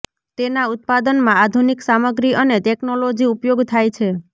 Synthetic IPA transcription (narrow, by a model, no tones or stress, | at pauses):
t̪enaut̪̚pad̪ənmãad̪ʱuniksaməɡɾiʔəneʈeknolod͡ʒiupjoɡt̪ʰajt͡ʃʰe